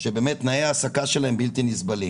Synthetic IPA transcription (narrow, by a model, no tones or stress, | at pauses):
ʃebe̞ːmet̪naeaːsakaʃelahembilt̪inisbali